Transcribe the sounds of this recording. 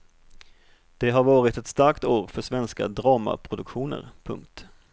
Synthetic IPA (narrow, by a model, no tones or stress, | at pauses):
d̪̥ɛɦaɾvɑːɾɪt̪ɛt̪st̪aɾkt̪oːɾfœʂvɛnska̰d̪ɾɑːma̰pʰɾʊd̪ɵkɧuːnə̰ɾpʰɵ̰ŋkt̪